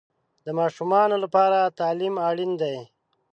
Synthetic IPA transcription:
d̪əmɑːʃumɑnolapɑːɾat̪ɑːlimaːɽind̪aj

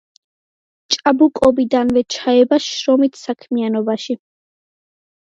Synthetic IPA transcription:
t͡ʃʼabukʼɔbid̪anvɛt͡ʃʰaɛbaʃɾɔmit̪ʰsakʰmianɔbaʃi

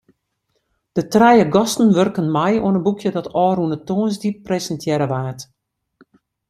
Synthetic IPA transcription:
d̥ətrɛjəɡɔstən̩ʋørkənmɛjo̰ənənbukʰjədɔtɔːrunətoːnsdip̚ːresəntʰjɛɾəʋaːt

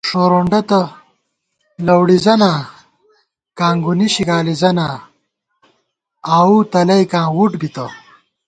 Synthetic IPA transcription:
ʂoːɾoɳɖɐt̪ɐ | lɐwɽizɐnaː | kãːŋɡuniɕiɡaːlizɐna | aːut̪ɐlɐjkãːwuʈbit̪ɐ

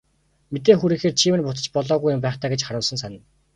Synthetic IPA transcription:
met̪eːxuɾiːŋxeːrt͡ɕʰiːmɘ̆npʊt̪ə̥̆t͡ɕpɔɮɔːɣujʊmpæːχt̪ʰaːɡet͡ɕχaɾʊːɮsə̆ns̬anə̆n

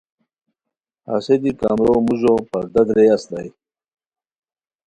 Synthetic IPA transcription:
a̰sed̪ikamɾomuʑopɐɾd̪ɐd̪ɾejast̪aj

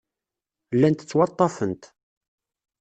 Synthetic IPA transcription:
lːænt̪ə̥t͡sːwɑt̪ˤːɑfənt̪

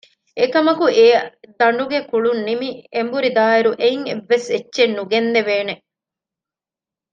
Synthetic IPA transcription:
ekɐmɐkueːɐd̪ɐɳɖuɡekuɭunːimiembuɾid̪aːeɾuʔeiŋeʋːesetːʃenːuɡenːeʋeːne

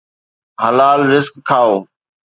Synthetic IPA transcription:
ɦəlaːlɾɪzkkʰaːoː

